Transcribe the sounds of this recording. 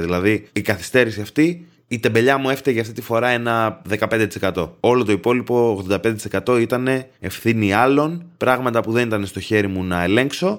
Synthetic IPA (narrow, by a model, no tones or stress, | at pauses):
ðilɐðiikɐθi̥st̪e̞ɾisiɐft̪iː | t̪e̞be̞ʎɐmue̞ft̪eʝɐft̪it̪ifo̞ɾɐe̞nɐðe̞kɐpe̞nd̪et̪isekɐt̪o̞o̞lo̞t̪o̞ipo̞lipo̞ːɣðonɐpend̪t̪iskɐt̪o̞it̪ɐne̞ | efθiniɐlo̞npɾɐɣmɐt̪ɐpuðe̞nit̪ɐne̞st̪o̞çe̞ɾimunɐe̞le̞ŋkso̞